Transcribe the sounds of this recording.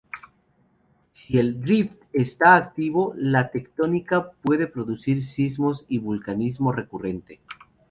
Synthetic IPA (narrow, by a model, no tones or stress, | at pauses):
sie̞ldɾift̪est̪aːk̚t̪iβo̞lat̪e̞kt̪o̞nikapwe̞ðepɾo̞ðusiɾsizmo̞siβulkanizmo̞re̞kure̞nt̪e